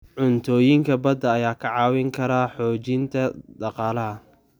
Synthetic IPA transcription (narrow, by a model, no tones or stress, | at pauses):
ʕʊnt̪ʰɔːjɪŋkʰɐbɐd̪ɐːjaːkʰɐʕɑːwɪŋkʰɐɾaːħɔːt͡ʃɪnt̪ʰɐd̪ɑqɑːlɐɦɐ